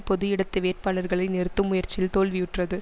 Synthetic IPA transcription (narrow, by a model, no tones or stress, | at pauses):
pɔðɯjɪɽɐt̪ːɯʋeːrpaːlɐɾɣɐɭɐɪnɛɾɯt̪ːɯmʊjɐɾt͡ʃɪlt̪oːlʋɪjɯʈrɐðɯ